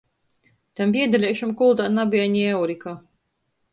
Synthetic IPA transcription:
t̪ambiɛd̪alʲɛːʃumkulˠd̪anabʲiaɲiɛwɾika

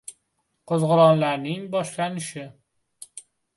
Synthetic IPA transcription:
qʰozʁʊɾɒnlaɾnɪŋbɒʃlanɪʃɪ

